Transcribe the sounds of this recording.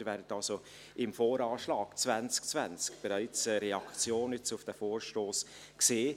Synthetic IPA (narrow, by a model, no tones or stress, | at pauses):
vɛːɾdətɑlso | ʔɪmfoːɾɑːʃlɑːɡ̥t͡svænt͡sk̚t͡svænt͡skb̥ɛɾaɪt͡səɾɛɑkt͡sjoːnʏt͡sʊfd̥æfoːɾʃtoːs | kseː